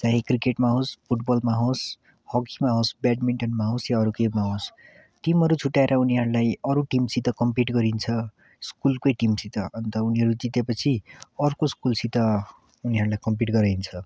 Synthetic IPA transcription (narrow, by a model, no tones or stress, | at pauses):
t͡saɦĩkrikeʈmaɦospʰuʈbʌlmaɦos | hʌkimaɦosbaɖmiɳʈʌnmaɦosjaʌɾukebmaɦos | ʈimɦʌɾut͡sʰuʈaeɾʌuniɦʌɾulajʌɾuʈimsit̪ʌkʌmpiʈɡʌɾint͡sʰʌ | skulkʌjʈimsit̪ʌʔʌnt̪ʌuniɦʌɾud͡zit̪epʌt͡sʰiʌrkoskulsit̪ʌ | uniɦʌɾulajkʌmp̬iʈɡʌɾajnt͡sʰʌ